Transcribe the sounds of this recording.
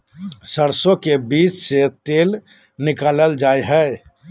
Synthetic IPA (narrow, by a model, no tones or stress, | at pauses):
səɾsõkebiːt͡ʃset̪eːl | nɪkaːləld͡ʒaːeɦɛː